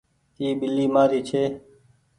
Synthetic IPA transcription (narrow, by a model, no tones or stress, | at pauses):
t̪iːbɪlːiːmaːɾiːt͡ʃʰeː